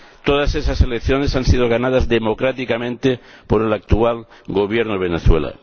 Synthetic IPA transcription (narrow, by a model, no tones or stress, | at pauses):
t̪o̞ðase̞saselekθjo̞ne̞sansið̞oɣ̞anað̞azðe̞mo̞kɾat̪ikamẽ̞nt̪epo̞ɾelak̚t̪ual | ɡo̞β̞je̞ɾnoβ̞e̞neθwe̞la̰